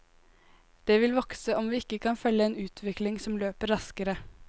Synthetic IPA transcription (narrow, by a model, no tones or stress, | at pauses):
d̪̥eːʋɪlʋɔksəʔɔmʋiːɪkːəkʰɑnfœlːəeːnʉːt̪ʰʋɪklɪŋsɔmløːpəɾɾɑskəɾə